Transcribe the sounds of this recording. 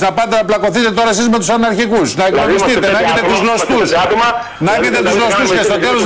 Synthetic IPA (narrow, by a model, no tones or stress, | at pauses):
nɐpɐd̪ɐnɐplɐko̞θit̪e̞t̪o̞ɾɐs̬izme̞t̪usɐnɐɾçikusnɐeknonist̪it̪enɐet̪et̪uzlo̞st̪ust̪ɐ | nɐʝet̪et̪uzlo̞st̪uscest̪o̞t̪eloz